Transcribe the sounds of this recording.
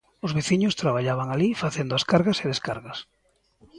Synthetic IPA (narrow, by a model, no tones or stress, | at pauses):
ʊzβeθiɲʊst̪ɾaβ̞aʎaβ̞aŋalifaθend̪ʊaskaɾɣaseðeskaɾɣɐs